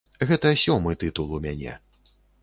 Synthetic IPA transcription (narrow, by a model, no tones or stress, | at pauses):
ɣɛt̪ɐsʲɔmɨt̪ɨt̪ulˠumʲanʲɛ̰